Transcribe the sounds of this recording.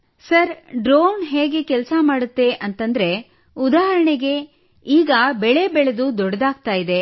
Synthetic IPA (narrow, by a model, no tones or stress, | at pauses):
sɐɾɖɾoːnɦeːɡe̞kɛlɐsamaːɽut̪ːe̞ʔɐnt̪ɐnd̪ɾe̞ | ud̪aːɦɐɾɐɳeɡe̞ | iːɡɐbɛɭe̞bɛɭed̪ud̪ɔɽɐd̪aːɡ̚t̪aːjid̪e̞